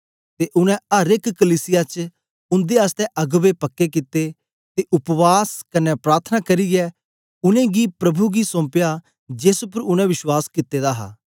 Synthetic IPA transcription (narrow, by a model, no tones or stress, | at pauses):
t̪eːʔʊnɛ̃əɾɪkkəliːsɪjaːt͡ʃ | ʊ̃nd̪eːast̪ɛʔɐɡʋepɐkːekɪt̪e | t̪eːʔʊpʋaːskɐnɛpɾaːɾt̪ʰənakɐɾiɡɛː | ʊnẽːɡiːpɾɐbʱuɡisɔ̃ːpɪjaː | d͡ʒeːsʊp̬əɾʊnɛ̃ʋɪʃwaːskɪt̪ːeːd̪aːɦa̰ː